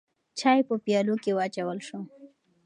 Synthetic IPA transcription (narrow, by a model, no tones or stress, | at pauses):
t͡ʃɑjpəpjɑlokewat͡ʃawəlʃo